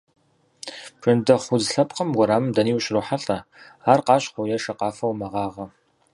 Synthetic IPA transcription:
b̥ʒ̥ɨndɐχʷʊzɬɐp̚ʼqɐmwɔɾaːmɨmdɐniːwɕroħaɬʼɐ | aːrqɑːɕχʷʊjɐʂɐqɑːfɐwmɐʁɑːʁɐ

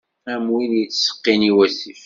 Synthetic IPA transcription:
æmwiðjət͡sːsə̥qːiniwæsif

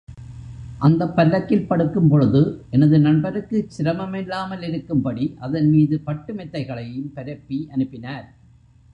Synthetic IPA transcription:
ʔɐnd̪ɐpːɐlːɐkːɪlpɐɽɯkːɯmpɔɻɯðɯʔɛnɐðɯnɐɳbɐɾɯkːɯt͡ʃːɪɾɐmɐmɛlːaːmɐlɪɾɯkːɯmpɐɽiʔɐðɐnmiːðɯpɐʈːɯmɛt̪ːɐɪɣɐɭɐjɯmpɛɾɐpːiʔɐnɯpːɪnaːɾ

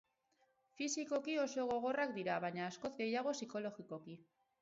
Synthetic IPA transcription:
fisiko̞kio̞so̞ɣ̞o̞ɣ̞o̞rak̚d̪iɾaβaɲaːsko̞zɡe̞jaɣ̞o̞siko̞lo̞ɣiko̞ki

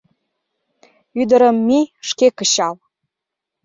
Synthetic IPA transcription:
yd̪ə̆ɾəmːiʃkekəɕɑl

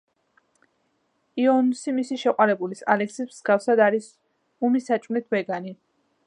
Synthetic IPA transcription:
iɔnsimisiʃɛqʼwaɾɛbulisa̰lɛksismz̥ɡafsad̪aɾis | umisat͡ʃʼmlit̪ʰbɛɡani

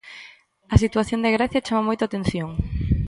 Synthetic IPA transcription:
ɐsit̪waθjond̪eɣɾaθjat͡ʃamamojt̪ʊat̪enθjoŋ

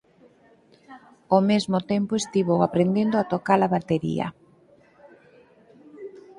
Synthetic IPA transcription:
omezmʊt̪empoest̪iβowapɾend̪end̪oat̪okalaβat̪eɾḭɐ̰

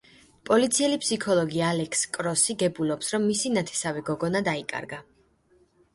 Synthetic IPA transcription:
pʼɔlit̪sʰiɛlipʰsikʰɔlˠɔɡialɛkʰskʼɾɔsiɡɛbulɔpsɾɔmːisinat̪ʰɛ̥savɛɡɔɡɔnad̪aikʼa̰ɾɡa

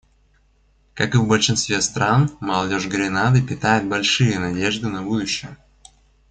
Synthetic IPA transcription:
kakɨvbəlʲʂɨnst̪vʲest̪ɾanmɐlˠɐdʲo̞ʐɡɾʲɪnad̪ɨpʲɪt̪ajɪt̪̚bɐlʲʂɨjənɐdʲeʐd̪ɨnɐbud̪ʊɕːɪjə

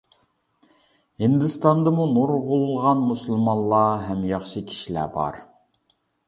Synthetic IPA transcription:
hind̪ɨst̪ɑnd̪ɑmunuɾʁʊlˠʁɑnmusɨlˠmɑllˠːɑɦɛmjɑχʃɨkʲʰi̥ʃilæ̰bɑ̰ɾ

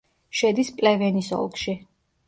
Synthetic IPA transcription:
ʃɛd̪ispʼlɛvɛnisɔ̰lˠkʰʼʃi

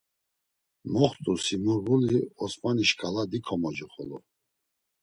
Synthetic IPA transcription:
mɔχt̪ʼusimuɾɡuliɔsmaniʃkʰʼalad̪ikʰɔmɔd͡ʒiχɔlɔ

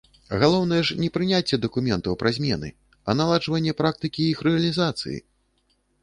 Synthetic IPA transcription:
ɣalˠɔwn̪ɐjɛʂnʲɛpɾɨnʲat͡sʲːɛd̪ɐkumʲɛnt̪ɐwpɾʔazʲmʲɛnɨ̰ | ɐnalˠad͡ʐvɐnʲːɛpɾak̚t̪ɨkʲiixɾɛɐlʲizat̪sɨ̰jḭ

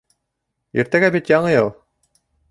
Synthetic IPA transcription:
ḭɾt̪æɡæbit̪jɑɴɤjɤlˠ

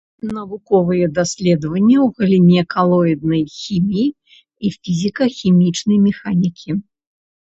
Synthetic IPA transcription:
nɐvukɔvɨjɛd̪asʲlʲɛd̪vɐnʲːɐwɣɐlʲimʲɛkalˠɔid̪̚nɐjxʲimʲiji | ifʲizʲikɐxʲimʲit͡ʂnɐjmʲɛxanʲikʲʰi

